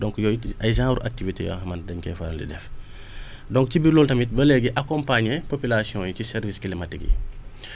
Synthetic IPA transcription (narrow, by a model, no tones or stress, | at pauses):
dɔŋkjɔjɐjzãːɾuʔak̚tivitḛjɔ̰hɐmandɐɲkɛ̰faɾɐndḭdɛf | dɔŋkcibiɾlɔltɐmit̚bɐlɛɡiʔakɔmpaɲepopilasiɔ̃ːjucisɛɾviskilimatiɡḭ